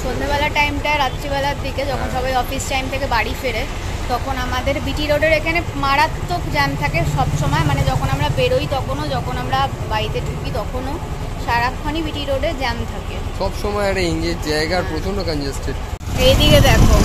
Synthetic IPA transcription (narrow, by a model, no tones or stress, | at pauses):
ʃolmebɛlaʈajmʈaeɾat̪ːd͡ʑibɛlaɾd̪iked͡ʑɔkʰonʃɔbajɔfisʈajmt̪ʰekebaɽifeɾe | t̪ɔkʰonamad̪eɾbiʈiɾoɖeɾekʰanemaɽat̪ːokd͡ʑɛnt̪ʰakeʃɔbʃɔmɔemaned͡ʑɔkʰonamɾabeɾojt̪ɔkʰonod͡ʑɔkʰonamɾa | bait̪eʈʰukit̪ɔkʰono | ʃaɾakʰːanibiʈiɾoɖeɾd͡ʑɛnt̪ʰakeʃɔbʃɔmɔeaɽeiŋd͡ʑed͡ʑaeɡaɾpɾot͡ɕʰonɖokand͡ʑesʈeʈejd̪iked̪ɛkʰo